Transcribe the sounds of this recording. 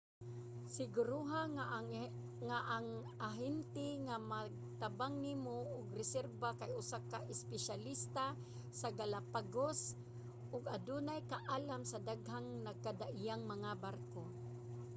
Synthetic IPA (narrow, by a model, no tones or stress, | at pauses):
sɪɡʊɾuɦa | ŋaʔaŋ | aɦɪnt̪ɪŋamaɡ̚ | t̪abaŋnimoʔʊɡrɪsɛɾbakajʊsakaʔɪspɛʃalist̪a | saɡalapaɡos | ʔʊɡad̪unajkaʔaːlamsad̪aɡɦaŋnaɡ̚kad̪aʔɪjaŋmaŋabarko